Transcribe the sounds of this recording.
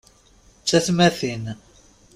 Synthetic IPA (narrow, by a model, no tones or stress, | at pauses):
t͡sːæθmæθin